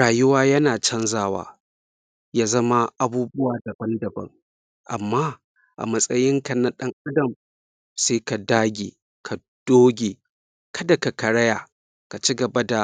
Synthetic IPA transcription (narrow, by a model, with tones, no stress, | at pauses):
aː˨jʊ˦waː˦jɐ˦naː˨t͡ʃɐ˦nzaː˦˨wa̰ː˨ | jaː˦zɐ˦ma˦ʔa˨buː˦bʊ˦waː˨dɐ˨bɐ˦ndɐ˨bɐ̰˦ŋ | ʔa̰˨mːaː˦ | ʔa̰˨mɐ˦sʼɐ˦jɪ˦ŋkɐ˨na˨ɗɐ˦ŋʔa˦dɐ˨m | seː˦ka˨daː˦ɡʲeː˨ | kʰa˨ | d̥oː˦ɡʲeː˨ | kʰɐ˦da˨ka˨kɐ˨ɽɐ˦jaː˨ | ka˨t͡ʃi˦ɡɐ˨bɐ˦da˨